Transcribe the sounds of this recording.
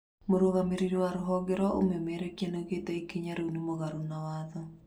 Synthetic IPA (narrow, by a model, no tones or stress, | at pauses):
moɾoɣameɾiɾewaɾoɦɔɡeɾɔʔo̰memeɾɛkianeɣetɛikiɲaɾeunimoɣaɾonawaðɔ